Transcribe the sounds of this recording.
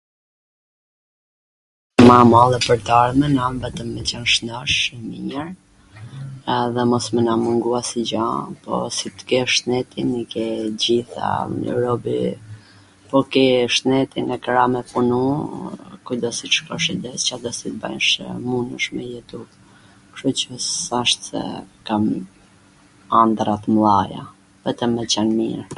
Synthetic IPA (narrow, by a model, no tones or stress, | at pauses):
mamalˠɛpəɾt̪aɾmɛnamvɛt̪əmːɛt͡ɕanʃnɔʃmḭɲəɾ | ðɛmɔsmɛnamuŋɡuasid͡ʑapɔ̰sit̪kɛʃnɛt̪inikɛd͡ʑiθa̰ɾɔbḭ | pɔkɛʃnɛt̪inɛkɾamɛpunu | kud̪ɔsiʃkɔʃid̪ɛst͡ɕad̪ɔsit̪ba̰nʃmunəʃmɛjɛt̪u | kʃut͡ɕəsaʃt̪sɛ̰kam | and̪ɾat̪əmlˠaja̰ | vɛt̪əmɛt͡ɕanmḭɾ